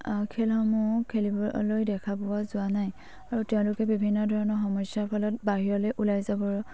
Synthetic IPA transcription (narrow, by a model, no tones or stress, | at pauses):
kʰelxɔmukʰelibɔlojdɛkʰabɔwazʊanaj | aɹutɛʊ̃lʊkɛbibʱinːɔdʱɔɹɔnɔxɔmɔjsjaɹpʰɔlɔt̚baɦiɹɔlojʔulajzabɔɹ